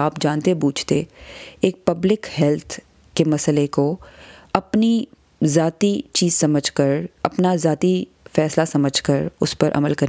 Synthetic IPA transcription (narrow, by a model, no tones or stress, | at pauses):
aːpd͡ʒaːnt̪ebuːd͡ʒʰt̪eeːk̚pɐblɪkhɛlt̪ʰ | kemɐslekoɐpni | zaːt̪it͡ʃiːzsɐməd͡ʒʱkɐɾɐpnazaːt̪i | fɛːslasɐməd͡ʒʱkəɾʊspɐɾʔɐ̰məlkɐɾ